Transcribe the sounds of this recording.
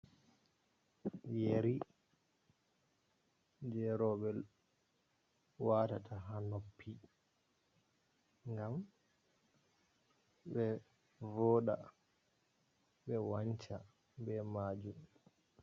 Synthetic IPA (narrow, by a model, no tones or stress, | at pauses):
jeɾi | d͡ʒɛɾɔbɛl | waːtatʰaɦanɔpʰːi | ŋɡam | bɛ | vɔːɗa̰ | ɓɛwaɲt͡ʃa̰ | bɛmaːd͡ʒum